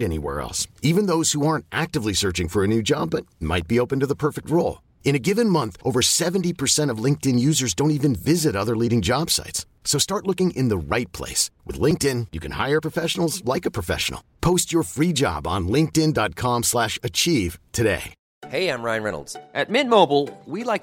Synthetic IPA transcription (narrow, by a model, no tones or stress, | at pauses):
ɾɛnḭwɛ̰ɹɛ̰lˠsivɨ̃nðoʊz̥huɑɹntʔæk̚tɨvlisɜ˞t͡ʃɪ̃ŋfə˞ɨnʉd͡ʒɑ̰b̚ʌt̚ma̰ɪt̚b̥ioʊpɨ̃n̩tɨðəpʰɜ˞fɨk̚t̚ɹoʊlˠ | ɨ̃ñɨɡɪvɨ̃nmʌ̃nθʔoʊvə˞sɛṽntipʰə˞sɛ̃ɾ̃ʌvlɪ̃ŋk̚tɨ̃njʉzə˞zdõʊ̃nt̬ivɨ̃nvɪzɨɾʌðə˞liɾɪ̃ŋd͡ʒɑb̥sa̰ɪts | soʊstɑɹtˡlʊkɪ̃ŋʔɨ̰̃nðəɹaɪt̚pʰl̥ḛɪswɨ̰ðlɪ̃ŋk̚tɪ̃njɨkʰɨ̃n̩ha̰ɪə˞pʰɹ̥əfɛʃn̩l̩ˠzlaɪkɨpʰɹ̥əfɛ̰ʃn̩l̩ˠpʰoʊst͡ʃə˞fɹid͡ʒɑ̰bn̩lɪ̃ŋk̚tɪ̃ndɑt̚kʰɑ̃mslæʃɨt͡ʃʰiv̥tʰɨdḛɪ | heɪãɪ̃mɹãɪ̃nɹɛ̰nl̩ˠdzʔɨt̚mɪn̚moʊbl̩ˠwilaɪk